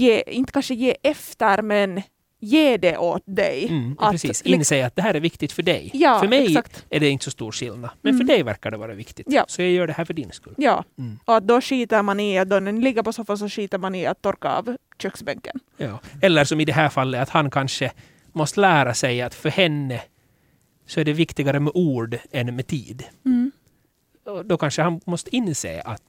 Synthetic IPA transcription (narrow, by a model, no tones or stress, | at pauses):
jeːɪnt̪kʰanʂəjeːʔɛft̪əɾmɛn | jeːd̪ɛʔot̪̚d̪ɛ̰jʔat̪siːsɪnːseːat̪̚d̪ɛɦæːɾæɾvɪkt̪ɪɡt̪fœɖɛ̰jjɑːfœɾmɛjssakt̪æɖɛɪnt̪əsɔst̪ṵːɾʂɪlnamɛnfœɖɛjvæ̰ɾkaɖɛvɑːɾavɪkt̪ɪ̥jɑːsɔjɑɡjœːɖɛhæːɾfœɖɪnskɵ̰lːjɑ̰ːʔɔat̪̚d̪ɔʂiːt̪əɾmanɪat̪̚d̪ɔnɛnlɪɡːəɾpɔsɔfansɔʂiːt̪əɾmanɪat̪ʰːɔɾkaɑ̰v | ɕœksbɛŋkənjɑːɛlːəɾsɔmɪd̪ɛɦæːɾfalːəat̪hankʰanʂə | mɔst̪əlæːɾasɛjat̪fœɾhɛnːə | sɔæɖɛvɪkt̪ɪɡaɾəmɛʔuːɖɛnːmɛt̪ʰḭːd̪ | ɔd̪ɔkʰanʂəhanmɔst̪əɪnːsḛːʔa̰t̪